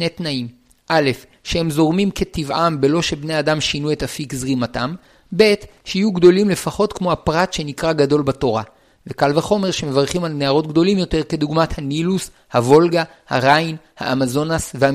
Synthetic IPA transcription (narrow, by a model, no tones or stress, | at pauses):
netnaim | ʔale̞f | ʃehemzo̞ʁmimke̞tivʔambe̞lo̞ʃe̞bne̞adamʃinue̞tafikzʁimatam | be̞tʃehijuɡd̪o̞limle̞faχo̞tkmo̞hapʁatʃe̞nikʁaɡado̞lbato̞ʁa | vekalveχo̞me̞ʁʃe̞mevaʁχimalneaʁo̞t̚ɡd̪o̞limjo̞te̞ʁke̞duɡmathanilus | havo̞lɡa | haʁain | ha̰ʔamazo̞nasveha